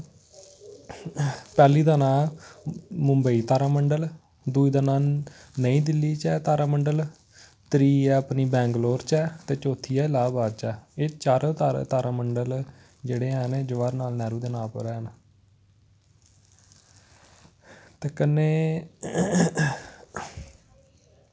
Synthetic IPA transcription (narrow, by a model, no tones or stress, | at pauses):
pɛːliːd̪aːnãː | mʊmbəiːt̪aːɾaːməɳɖəl | d̪uːiːd̪aːnãːnəĩːd̪ɪlːiːt͡ʃɛːt̪aːɾaːməɳɖəl | t̪ɾiːɛːəpniːbɛ̃ːŋɡloːɾt͡ʃɛːt̪eːt͡ʃoːt̪ʰiːɛːlaːbaːd̪t͡ʃɛːeːt͡ʃaːɾt̪aːɾ̰t̪aːɾaːməɳɖəl | d͡ʒeːɽeːɛːneːd͡ʒəʋaːɾnaːlnɛːɾuːd̪eːnãːpəɾɛːnaː | t̪eːkənːeː